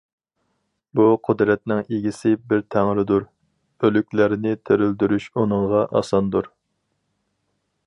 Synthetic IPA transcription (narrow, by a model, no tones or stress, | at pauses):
buqʰʊd̪ɾɛt̪̚nɪŋeɡʲisɪbɪɾt̪ʰæŋɾɪd̪uɾ | ølykʲlæɾɪnɪt̪ʰøɾyld̪yɾyʃunɨŋʁɑʔɑ̰sɑnd̪uɾ